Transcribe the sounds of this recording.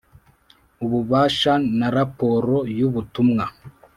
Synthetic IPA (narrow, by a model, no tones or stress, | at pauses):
uβuβaːʃanaɾapo̞ɾo̞juβutumŋa